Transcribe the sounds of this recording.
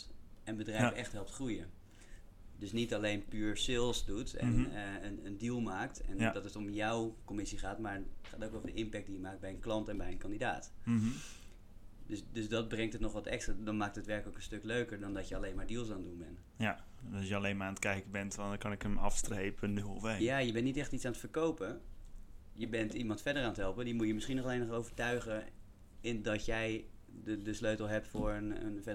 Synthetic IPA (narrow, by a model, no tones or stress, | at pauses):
ɛnbədrɛfʔɛχtɦɛlˠp̚tχrujə | døsnitalejnpyːɹsɪlˠsdutɛ̰nənəndilˠmaːktʰɛ̰ndɔtətomjɔwkomɪsiχaːtmaɹχaːtoːkoədəʔɪmpɛk̚dijəmaːk̚bɛjənklɑntɛnbɛjənkɑndida̰ːt | døsdøsdɔt̚brɛŋktətnɔχʋɔtɛkstraːdɔnmaːk̚tətʋɛɹkələkənstøkløɥkəɹdɔndɔtjəalejnmaːɹdilˠsandunbɛn | ja | ɑsjəɑlejnmaaːnətkɛjkəbɛntʋnkɑnɪkəmɑ̰fstrejpənyɔfejjaːjəbɛntnitɛχtitt͡ssaːnətfəɹkowpə | jəbɛntimɑntfɛdəɹɾaːntɦɛlˠpədimutjəmɪsχinɔχɑlˠejnχowvəɹtœɥχə | ɪndɑtjɛj | dədəsløɥtlˠɦɛp̚tfʊːɹənə̰nfɛ